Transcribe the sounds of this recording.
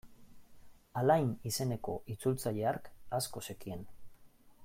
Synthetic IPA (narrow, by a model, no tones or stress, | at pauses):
alajnise̞ne̞ko̞it͡sult͡saʎe̞aɾkasko̞sekie̞n